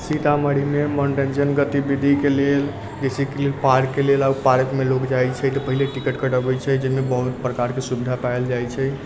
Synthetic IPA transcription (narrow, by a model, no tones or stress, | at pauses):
sit̪aməɽ̤imemɔnʈẽnd͡ʒənɡət̪ibid̪ʱikelel | d͡ʒesikelelpaɾkːelelawpaɾəkmelokd͡ʒajt͡ʃʰɛt̪əpəɦileʈikəʈkəʈəbɛt͡ʃʰɛd͡ʒəmebəɦut̪pɾəkaɾkesubid̪ʱapaeld͡ʒajt͡ʃʰɛ